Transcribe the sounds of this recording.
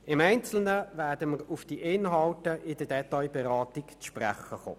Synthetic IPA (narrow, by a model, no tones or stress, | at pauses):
ɪmɛɪnt͡sl̩nəvæːdəməɾʊfd̥iʔɪnɦɑltəʔɪdədɛtɑjbɛɾɑːt̪ɪkt͡sʃpræ̰χːəχo̰ː